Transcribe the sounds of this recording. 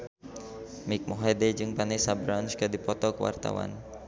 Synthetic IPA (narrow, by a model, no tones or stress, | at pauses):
mɪk̚moɦeded͡ʒɨŋpanɛsabɾanskədipɔt̪ɔkəwa̰rt̪a̰wa̰n